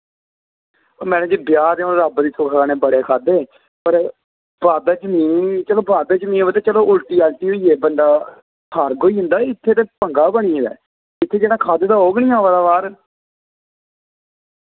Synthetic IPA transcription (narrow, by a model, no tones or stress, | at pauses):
mɛ̃ːnẽːd͡ʒeːbɪjaːd̪eːonɾabd̪iːsʰʊkʰːaːneːbəɽeːkʰaːd̪eː | pəɾ | baːd̪aːd͡ʒəmiːnt͡ʃəloːbaːd̪aːd͡ʒəmiːnʋəd̪eːt͡ʃəloːʔʊlʈiːɛːlʈiːɦoːiːeːbəɳɖ̪aː | kʰaːɾɡoːiːɦʊ̃nd̪aːɪt̪ʰːeːt̪eːpəŋɡaːbəɽ̃iːd̪ɛ̰ː | ɪt̪ʰːeːd͡ʒeːɽãːkʰaːd̪eːd̪aːɦoːɡnĩːãːʋad̪aːβaːɾ